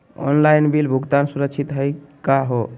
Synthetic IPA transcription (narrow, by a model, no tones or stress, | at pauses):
ɔ̰nlajnbilbʱuɡt̪ansuɾəkt͡ʃʰit̪ɦəjkaɦo